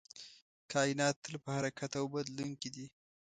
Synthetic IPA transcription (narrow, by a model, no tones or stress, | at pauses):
kʰɑjɪnɑt̪ːəlpəhaɾakʰat̪awbad̪luŋkid̪i